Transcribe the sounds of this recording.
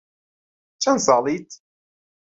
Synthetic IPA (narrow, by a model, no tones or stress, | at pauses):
t͡ʃːænsˤɑlˤit̪